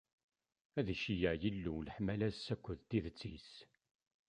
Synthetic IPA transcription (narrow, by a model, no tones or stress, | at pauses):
æðʃijəʕjəlːuləħmælæzsækʷːʊðt̪ːiðət͡sːis